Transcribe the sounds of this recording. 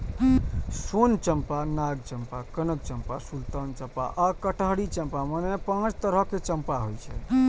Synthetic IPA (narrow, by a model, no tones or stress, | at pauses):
sont͡ʃəmpanaɡ̚t͡ʃəmpakənək̚t͡ʃəmpasult̪ənt͡ʃəpa̰ʔakəʈəɦɽit͡ʃəmpamənepãt͡ʃʰt̪əɾəket͡ʃəmpaɦojt͡ʃʰɛ̰